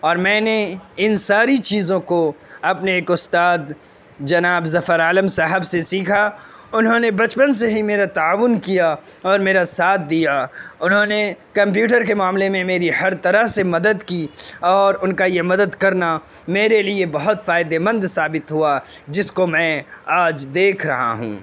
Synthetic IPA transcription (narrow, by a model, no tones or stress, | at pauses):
ɔːɾmɛ̃ːneɪnsaːɾit͡ʃiːzõkoɐpneeːkʊst̪aːd̪ | d͡ʒɐnaːbzɐfəɾaːləmsaɦəbsesiːkʰa | ʊnɦõnebɐt͡ʃpəns̬eɦimeːɾat̪aaːʋʊnkijaɔːɾmeːɾasaːt̪̚ʰd̪ijaʊnɦõnekɐ̃mp̬juːʈ̬əɾkemaːmlemẽmeːɾihɐɾt̪ɐɾəɦsemɐd̪əd̪kiɔːɾʊnkajemɐd̪əd̪kɐɾna | meːɾeliebɐɦʊt̪faːɪd̪emə̃nd̪saːbɪt̪ɦuad͡ʒɪskomɛ̃aːd͡ʒd̪eːkʰɾɐɦa̰ɦṵ̃ː